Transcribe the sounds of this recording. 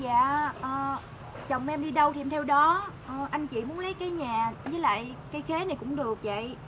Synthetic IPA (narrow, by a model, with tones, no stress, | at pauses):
za̰ː˧˨ʔəː˨˩ | t͡ɕə̰˨wŋ͡mʔɛ˧mɗi˧ɗə˧wt̪ʰi˨˧˩mt̪ʰɛ˧wɗɔ˨˦ʔəː˨˩ʔa˧jŋ̟t͡ɕḭ˧˨mu˨˦nlə˨˦jkaː˨˦jɲaː˨˩zəː˨˦jla̰ː˧˨jkaː˨˦jxe˨˦na˨˩jkʊ̰˧˥ŋ͡mɗɨ˨˩ək̚və̰˧˨j